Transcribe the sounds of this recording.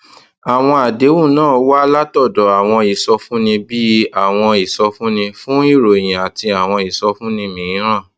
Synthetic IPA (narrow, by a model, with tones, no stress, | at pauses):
a˨w̃ɔ̃˧a˨de˨˦wũ˦˨nãː˦˨˦wa˦la˦tɔ˦˨dɔ˨a˨w̃ɔ̃˧i˨sɔ˧fũ˦nĩ˧bi˦a˦˨w̃ɔ̃˧i˨sɔ˧fũ˦nĩ˧fũ˦i˦˨ɾo˨j̃ĩ˨a˨ti˧a˨w̃ɔ̃˧i˨sɔ˧fũ˦nĩ˧mĩ˨ĩ˨˦ɾ̃ã˦˨